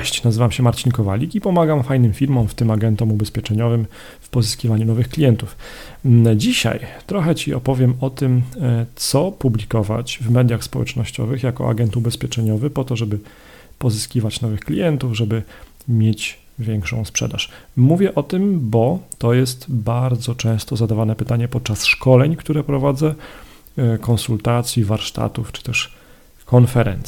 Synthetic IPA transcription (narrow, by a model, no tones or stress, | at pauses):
ɛɕt͡ɕnazɘvamɕɛmaɾt͡ɕinkɔva̰lʲikipɔmaɡamfajnɘmfʲiɾmɔ̃wft̪ɘmaɡɛnt̪ɔmubɛspʲjɛt͡ʂɛɲɔvɘm | fpɔzɘskʲivaɲunɔvɘxklʲijɛnt̪uf | d͡ʑiɕa̰jt̪ɾɔxɛt͡ɕiɔ̰pɔvʲjɛmɔt̪ɘmt̪sɔpublʲikɔva̰t͡ɕvmɛd̪ʲjaxspɔwɛ̰t͡ʂnɔɕt͡ɕɔ̰vɘxjakɔ̰ʔa̰ɡɛnt̪ubɛspʲjɛt͡ʂɛɲɔvɘpɔt̪ɔʐɛbɘ | pɔzɘskʲivat͡ɕnɔvɘxklʲijɛnt̪uvʐɛbɘ | mʲjet͡ɕ | vʲjɛŋkʂɔ̃w̃spʂɛ̰d̪aʂmuvʲjɛʔɔt̪ɘmbɔt̪ɔjɛst̪baɾd̪zɔt͡ʂɛ̃w̃st̪ɔzad̪avanɛpɘt̪aɲɛpɔt̪̚t͡ʂasʂkɔlɛɲkt̪uɾɛpɾɔvad̪zɛ | kɔnsult̪at̪sʲjivaɾʂt̪a̰t̪uft͡ʂɘ̥t̪ɛʂ | kɔnfɛɾɛ̰nt̪sʲɛ